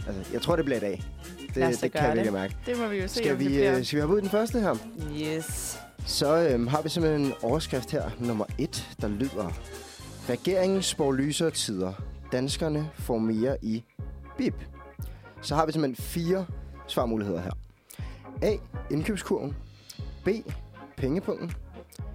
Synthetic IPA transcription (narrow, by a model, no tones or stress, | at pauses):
ʔælsəjɑɪt͡sʰʁo̝ɐ̰ɾe̝b̥lid̥ɛ̰ː | d̥e̝e̝kʰæjiɐɡlimæɐɡ̥ə̥emɔʋiosɡ̥æʋisɡ̥æʋihæbuðˠd̥enfɶɐsd̥əɦæɐ̰ | es | sɒ̽ømɦɑ̈ʋisem̥henenɒʊɐsɡ̥ʁɛfd̥heɐ̰nɔ̽mɐe̝d̥d̥ɑ̈lyð̞̰ˠɐ | ʁɛɡ̥e̝ɐ̰e̝ŋn̩sb̥ɒlyːsɐt͡sʰiðˠɐd̥ænsɡ̥ɐnəfɒme̝ːɐʔib̥ib̥ | sɒ̽hɑ̈ʋisemhḛnfiːɐsʋɑ̈muːlie̝ð̰ˠɐɦæ̰ɐ̰ | ɛ̰ːe̝nkʰø̰b̥skʰuɐ̰n | b̥e̝̰ːpʰeŋəpʰɔ̽ŋ̰dn̩